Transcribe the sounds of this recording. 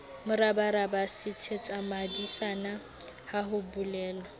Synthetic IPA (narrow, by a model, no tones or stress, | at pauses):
mʊɾabaɾabasɪtʰet͡sʼamadisana | haɦʊbʊlɛːlɔ